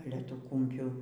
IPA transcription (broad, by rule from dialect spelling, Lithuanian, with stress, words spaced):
ˈɑːlʲɛ ˈtuː ˈkʊmʲpʲuː